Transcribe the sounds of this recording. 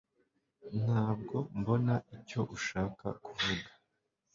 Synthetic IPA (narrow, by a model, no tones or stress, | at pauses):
n̥haːb̚ɡo̞mbo̞naʔico̞ʔuʃaːka̰kuvuɡa